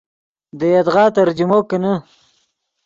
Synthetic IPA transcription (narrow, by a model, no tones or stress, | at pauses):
d̪əjad̪ɣɑːt̪aɾd͡ʒumokana